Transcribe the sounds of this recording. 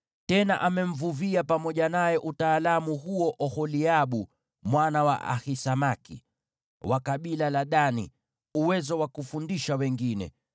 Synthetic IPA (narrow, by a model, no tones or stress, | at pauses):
tɛnaʔamɛm̩vuviapamɔʄanajɛʔutaːlamuɦuɔʔɔhɔliaɓu | mwanawa̰ʔa̰hisamakḭ | wakaɓilalaɗani | uwɛzɔwakufundiʃawɛŋɡinɛ̰